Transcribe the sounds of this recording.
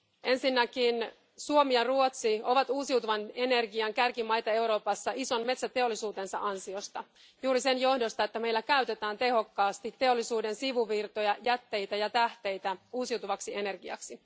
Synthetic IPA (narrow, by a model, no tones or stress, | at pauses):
e̞nsinːækin | suo̞miɑruot̪sio̞ʋɑt̪uːsiwt̪uʋɑne̞ne̞rɡiɑŋkærkimɑjt̪ɑe̞wɾo̞ːpɑsːɑʔiso̞nme̞t̪sæt̪e̞o̞lːisuːt̪e̞nsɑʔɑnsio̞st̪ɑ | juːɾise̞njo̞hdo̞st̪ɑe̞t̪ːæme̞jlːækæyt̪e̞t̪æːnt̪e̞ho̞kːɑːst̪it̪ːe̞o̞lːisuːde̞nsiʋuʋirt̪o̞jɑjæt̪ːe̞jt̪æjɑt̪æht̪e̞jt̪æuːsiuwt̪uʋɑksiʔe̞ne̞rɡiɑ̰ksi